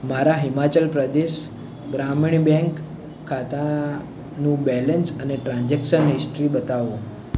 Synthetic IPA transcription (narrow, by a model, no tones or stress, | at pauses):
maɾaɦimat͡ɕəlpɾəd̪eʃ | ɡɾamiɳbɛ̃ŋkʰː | at̪a | nũbɛlənsəneʈɾãɲd͡ʒekʃənɦisʈɾibət̪aʋõ